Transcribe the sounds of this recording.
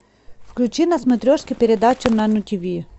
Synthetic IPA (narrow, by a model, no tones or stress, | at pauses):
fklʲut͡ʃinɐsmʊt̪ɾʲɔʃkʲɪpʲeɾed̪at͡ʃʊnɐnʊtʲiʋʲi